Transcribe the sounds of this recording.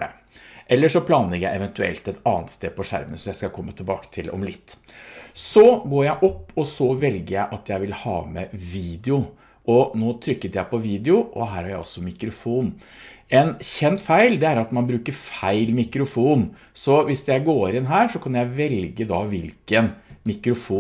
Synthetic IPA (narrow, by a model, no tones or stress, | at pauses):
ɛ̰ | ʔɛlːəʂɔpʰlɑːnlɛɡəjæ̰ɪɛʋɛnt̪ʉɛ̰lt̪ɛt̪ɑːnt̪st̪eːpʰɔʂæ̰ɾmə̰nsɔmjæɪskɑkʰɔmːət̪ʰɪlbɑːkə̥t̪ʰɪlɔ̰mlɪt̪ːsɔɡoːɾjæɪʔɔpːɔsɔʋɛlɡəɾjæɪʔɑt̪jæɪʋɪlhɑ̰ːmɛʋiːd̪ɛʊ | ʔɔnoːt̪ʰɾʏkːət̪jæɪpʰɔʋiːd̪ɛʊʔɔɦæːɾhɑɾjæɪɔ̰sɔmɪkɾʊfuːn | ɛnçɛnt̪fæɪld̪ɛæɾɑt̪mɑnbɾʉːkəɾfæɪlmɪkɾʊfuːn | sɔʋɪsjæɪɡoːɾɪnɦæːɾʂɔkʰɑnjæɪʋɛlɡəd̪ɑʋɪlkənmɪkɾʊfuː